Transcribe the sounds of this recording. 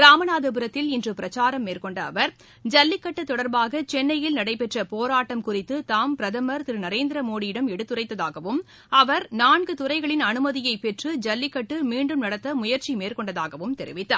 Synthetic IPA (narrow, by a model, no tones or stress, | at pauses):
ɾaːmɐnaːðɯp̬ɯɾɐt̪ːɪlɪndrɯpɪɾɐt͡ʃaːɾɐmːeːrkɔɳɖɐːʋɐɾ | d͡ʒɐlːɪkːɐʈːɯt̪ːɔɽɐɾbaːɣɐt͡ʃɛnːɐjɪlnɐɽɐɪpɛʈrɐpoːɾaːʈːɐmkʊrɪt̪ːɯt̪aːmpɪɾɐðɐmɐɾt̪ɪɾɯnɐɾeːnd̪ɪɾɐmoːɽɪjɪɽɐmɛɽɯt̪ːɯrɐɪt̪ːɐðaːɣɐʋɯm | ɐʋɐɾnaːɳɡɯt̪ʊrɐɪɣɐɭɪnɐnɯmɐðɪjɐɪpɛʈrɯd͡ʒɐlːɪkːɐʈːɯmiːɳɖɯmnɐɽɐt̪ːɐmʊjɐɾt͡ʃimeːrkɔɳɖɐðaːɣɐʋɯmt̪ɛɾɪʋɪt̪ːa̰ː